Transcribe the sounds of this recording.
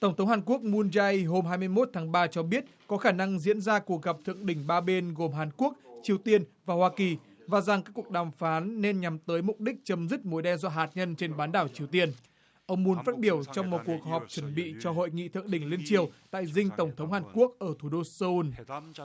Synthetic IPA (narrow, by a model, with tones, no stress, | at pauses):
t̪ə˧˩wŋ͡mt̪ʰə˨˦wŋ͡mhaː˨˩nku˦˥ək̚mu˧nza˧jɦo˧mɦaː˧jmɨ˧əjmo˦˥t̚t̪ʰaː˨˦ŋɓaː˧t͡ɕɔ˧ɓi˦˥ət̚kɔ˨˦xaː˧˩na˧ŋzḭ˧˥ənzaː˧ku˨˩ək̚ɣa˨˩p̚t̪ʰɨ̰˧˨əŋɗï˧˩ŋ̟ɓaː˧ɓe˧nɣo˨˩mɦaː˨˩nku˦˥ək̚t͡ɕi˨˩əwt̪i˧ənvaː˨˩hwaː˧ki˨˩ | vaː˨˩za˨˩ŋka˦˥kːu˨˩ək̚ɗaː˨˩mfaː˨˦nːe˧nɲa˨˩mt̪əː˨˦jmʊ˨˩k͡p̚ɗï˦˥k̟̚t͡ɕə˨˦mzi˦˥t̚mo˨˦jɗɛ˧nzɔ˧ɦaː˨˩t̚ɲə˧nt͡ɕe˧nɓaː˨˦nɗaː˧˩wt͡ɕi˨˩əwt̪i˧ən | ʔə˧wŋ͡mmu˧nfaː˦˥t̚ɓi˧˩əwt͡ɕɔ˧wŋ͡mmo˨t̚ku˨˩ək̚ɦɔ˨˩p̚t͡ɕwə˧˩nɓḭ˧˨t͡ɕɔ˧ɦo̰˧˨jŋḭ˧˨t̪ʰɨ̰˧˨əŋɗï˧˩ŋ̟le˧nt͡ɕi˨˩əwt̪a̰ː˧˨jzï˧ŋ̟t̪ə˧˩wŋ͡mt̪ʰə˨˦wŋ͡mhaː˨˩nku˦˥ək̚ʔəː˧˩t̪ʰu˧˩ɗo˧səː˧u˧n